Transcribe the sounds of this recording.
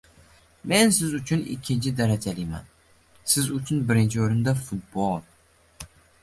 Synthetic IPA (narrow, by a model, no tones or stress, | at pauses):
me̞nsɪzʊt͡ʃʰʊnɪ̰kʲʰːɪnt͡ʃʰɪd̪aɾad͡ʒalɪjma̰n | sɪzʊt͡ʃʰʊnbɪɾɪnt͡ʃʰɪoɾɪnd̪afʊt̪̚bolˠ